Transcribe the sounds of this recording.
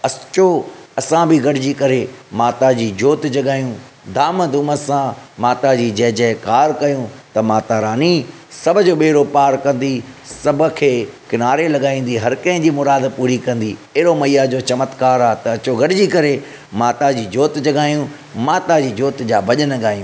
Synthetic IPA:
ɐt͡ɕoɐsãbɪɡɐɖɪd͡ʑikɐɾemaːt̪ad͡ʑiːd͡ʑoːt̪d͡ʑɐɠaːijũ | d̪ʱaːməd̪uməsãmaːt̪ad͡ʑiːd͡ʑɐ̃ɦɪ̃d͡ʑɐ̃ɦɪ̃kaːɾkɐjũt̪ɐmaːt̪aɾaːni | sɐbʱʊd͡ʑoːɓeːɪɾopaːɾkɐ̃nd̪isɐbʱʊ̆kʰeːkɪnaːɾelɐɠaːĩːnd̪iɦɐɾkɐ̃ɦɪ̃d͡ʑiːmʊɾaːd̪puːɾikɐ̃n̆d̪iɐɦɪɾomɐijad͡ʑoːt͡ɕɐmət̪kaːɾaːt̪ɐɐt͡ɕoɡɐɽɪd͡ʑikɐɾe | maːt̪ad͡ʑiːd͡ʑoːt̪d͡ʑɐɠaːijũ | maːt̪ad͡ʑiːd͡ʑoːt̪d͡ʑaːbʱɐʄənɐɡaːijũː

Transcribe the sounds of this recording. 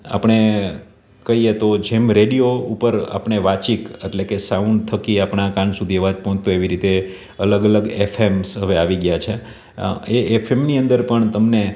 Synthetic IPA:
a̰pəɳ̃e | kəɦiet̪od͡ʒemɾeɽijoupəɾa̰pɳ̃eʋat͡ʃikḛʈlekesaunɖt̪ʰəkiapɳakãnsud̪ʱieʋãd͡ʒ̪pɦɔ̃t̪ueʋiɾit̪e | ələɡələɡefʰemsɦəʋeaʋiɡjat͡ʃʰe | eefʰemniə̃nd̪əɾpəɳt̪əmne

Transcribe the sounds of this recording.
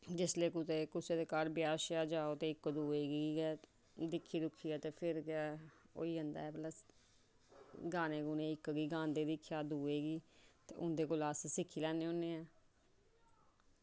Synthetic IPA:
d͡ʒɪsleːkʊt̪eːkʊseːd̪eːkaːɾbɪjaːʃaːd͡ʒaːoːt̪eːɪkːd̪uːeːɡiɛː | d̪ɪkʰːiːd̪ʊkʰːiːɛːt̪eːpʰɪɾːo̰ːiːənd̪a̰ːɛːpləs | ɡaːneːɡunẽːɪkːɡiːɡãːnd̪eːd̪ɪkʰjaːd̪uːeːɡiːt̪ḛːʔʊ̰nd̪eːkoːlaːssɪkʰːiːlɛːneːõːnːẽːaː

